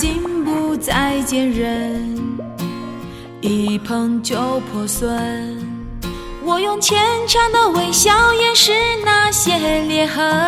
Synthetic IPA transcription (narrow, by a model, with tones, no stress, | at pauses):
t͡ɕi˥npu˧˩t͡sa˥˧ɪt͡ɕjɛ˥nɻə˧˦n | i˨˩pʰɤ˧˥ŋt͡ɕjo˧˥ʊpʰɔ˨˩swə˧˥n | wɔ˨˩jʊ˥˧ŋt͡ɕʰjɛ˧˥nʈ͡ʂʰɑ˧˥ŋd̪ə˧we˧˥˩ɪɕjɑ˥ʊjɛ˥˩nʂɻ̩˥na˥˧ɕjɛ˥ljɛ˧˥nxə˧˥